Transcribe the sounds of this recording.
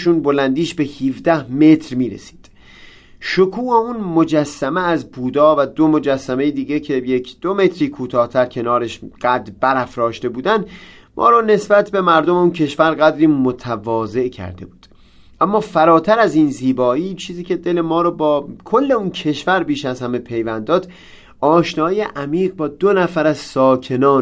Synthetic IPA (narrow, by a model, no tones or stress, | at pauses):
ʃuːnbo̞lænd̪iːʃbe̞hiːfd̪æhme̞t̪ʰɾmiːɾḛsi̥ːd̪̥ | ʃokʰuːeunmod͡ʒæsːæmeæzbuːd̪ɒːvæd̪o̞mo̞d͡ʒæsːæmejed̪iːɟecʰe̞jecʰd̪̥o̞me̞t̪ʰɾiːkʰuːt̪ʰɒːht̪ʰæɾcʰe̞nɒːɾeʃɢ̥æd̪ɾbæɾæfɾɒːʃt̪e̞buːd̪ænd̪ | mʔɒ̰ːɾɒːne̞sbæt̪ʰbe̞mæɾd̪o̞meuncʰe̞ʃvæɾɢæd̪ɾiːmot̪ʰævɒːze̞ʔcʰæ̰ɾd̪e̞̰buːd̪̥ | ʔæmːɒːfæɾɒːt̪ʰæɾæziːnziːbɒːiːt͡ʃʰiːziːcʰe̞d̪e̞lemɒːɾɒːbɒːkʰo̞lːe̞uncʰe̞ʃvæɾbiːʃæzhæme̞pʰe̞jvænd̪ɒːd̪̥ | ʔɒːʃnɒːijeʔæmiːɢ̚bɒːd̪o̞næfæɾæzsɒːcʰe̞nɒːn